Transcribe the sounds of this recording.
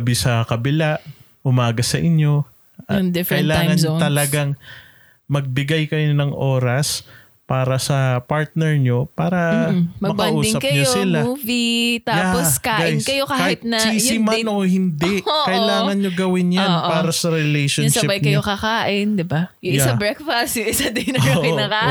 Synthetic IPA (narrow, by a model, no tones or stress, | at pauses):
bɪsɐkɐbɪlaʔ | ʔʊmaːɡɐsɐʔɪɲjo̞ | ŋd̪ɪfkɐɪlaːŋɐnɲt̪ɐlɐɡaŋ | mɐɡ̚bɪɡajkɐjonɐŋʔo̞ːɾɐs | paːɾɐsɐpaɹt̪̚nɛɹɲo̞paːɾɐmɐɡɐbɐɐnʔuːd̪ɪsŋɐkɐjɲosɪlauːvit̪ajːaposkaːɡaʔɪjnskɐjo̞kaːahhɪt̪̚nɐsiːjɪmanʔohɪnd̪ɛʔkɐʔɪlaːŋɐnɲoɡɐwɪnjaonːʔpaːɾɐsɐɾɪlɛjʃosɪbajkɐjokɐkaːʔɪnd̪ɪbajʊŋɪjsabɹɛkfɐst̪jʊŋɪsad̪ɛnɐopɪɐkaːʔ